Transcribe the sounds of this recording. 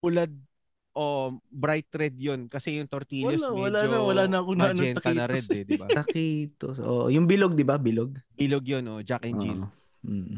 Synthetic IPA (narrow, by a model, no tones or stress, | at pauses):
t̪ulad̪̚ | ʔoʔbɾajt̪̚ɾɛd̪̚jonkɐsɛjʊŋt̪oɾt̪iːloswɐlaɐwɐlaːnɐɐkonɐɐnd͡ʒɛnt̪ɐnɐɾɛnɛd̪ɪbaɐkit̪oʔo̰ːʔo̰jʊŋbɪloɡ̚d̪ɪbabɪloɡ̚bɪloɡjonʔod͡ʒak̚ʔɛnd͡ʒḭo